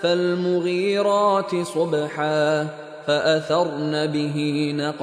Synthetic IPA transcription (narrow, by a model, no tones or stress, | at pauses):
falmʊɣiːɾɑːt̪ɪsˤʊbħaː | faʔaθɑɾˤnaːbɪɦinɑq